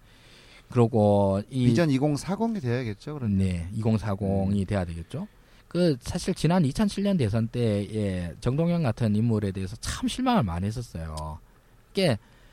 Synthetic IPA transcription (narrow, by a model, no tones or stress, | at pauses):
kɯɾʌɡoiid͡ʑʌniɡoŋsʰaɡoŋidwe̞jaaɡe̞t̚t͡ɕ͈okɯɾne̞iɡoŋsʰaɡoŋidwe̞jadweɡe̞t̚t͡ɕ͈o | kɯsʰaɕʰiɭt͡ɕinanit͡ɕʰʌnt͡ɕʰiɭɲʌnde̞s̬ʰʌnt͈e̞et͡ɕʌŋdoŋjʌŋɡatʰɯnimːuɾe̞de̞ːsʰʌt͡ɕaɯmɕʰiɭmaŋɯɭma̰nɦe̞s͈ʌs͈ʌjo̰ | k͈e̞